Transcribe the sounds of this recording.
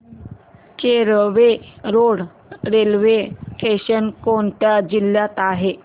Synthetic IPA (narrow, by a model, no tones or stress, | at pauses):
keɾʋeɾoɽ | ɾelʋeʈeɕənkoɳt̪jad͡ʑilːjat̪aɦe